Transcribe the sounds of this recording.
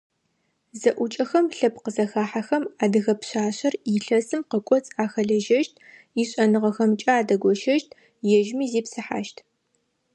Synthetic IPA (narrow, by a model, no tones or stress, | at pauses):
zɐʔʷʊt͡ʃʼɐxɐmɬɐpqəzɐxaːħaxɐmaːdɨɣɐpɕaːɕɐriɬɐsɨmqəkʷʼɔt͡sʼaːxɐɮɐʒɐʃtʰ | iɕʼɐnɨʁɐxɐmt͡ʃʼaːdɐɡʷɔʃɐʃtʰ | jɛʒmiːziːpsɨħa̰ːʃtʰ